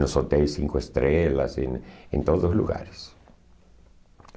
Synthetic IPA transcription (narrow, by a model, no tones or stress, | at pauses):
nosot̪elsiŋkoest̪ɾelasḛnḛnt̪oðoszlṵɣa̰ɾes